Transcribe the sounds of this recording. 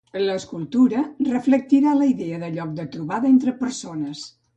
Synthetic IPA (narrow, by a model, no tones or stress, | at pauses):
ələːskulˠt̪uɾərəflək̚t̪iɾaləiðɛəðəʎɔk̚d̪ət̪ɾuβaðəent̪ɾəpəɾsonəs